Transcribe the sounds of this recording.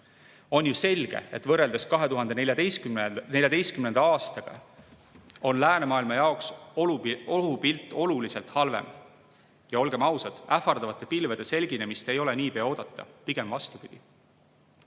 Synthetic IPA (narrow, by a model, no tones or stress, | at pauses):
o̞njuse̞lʲɡ̥e̞̰et̪vɤrːe̞ld̪̥e̞skɑɦe̞t̪uɦɑnd̪̥enelʲjɑd̪ejskyne̞lʲjɑd̪e̞jst̪kymnend̪̥ɑɑːst̪ɑɡ̥ɑ̰ | o̞nlæːne̞mɑːilmɑjɑoks | oɦupilt̪ːˑo̞lulise̞lt̪hɑlve̞̰m | jɑo̞lɡ̥e̞mɑwsɑd̪̥æfɑrd̪ɑvɑt̪ːˑe̞pilved̪̥e̞se̞lʲɡine̞mist̪e̞jo̞le̞niːpeɑo̞ːd̪̥ɑt̪ːɑ̰piɡ̥e̞mvɑst̪upid̪̥i